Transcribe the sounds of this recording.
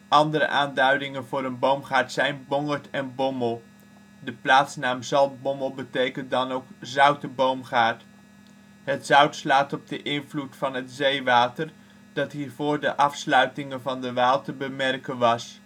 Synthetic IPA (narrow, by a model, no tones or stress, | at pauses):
ʔɑndəɾə̰ʔaːndœɥdɪŋənvʊːɾənbowmχaːɹtsɛjnbɔŋəɹtɛnbɔməlˠ | dəplaːtsnaːmzɑlˠbɔməlˠbətejkən̚dɑnowkzœɥtəbowmχaːɹt | ɦətz̥œɥtslaːtɔb̚dəʔɪnvlutfɑnɦətzejʋaːtər | d̥ɑtɦiːɹvʊːɹdəʔɑfslœɥtɪŋənvɑndəʋaːlˠtəbəmɛrkənʋɑs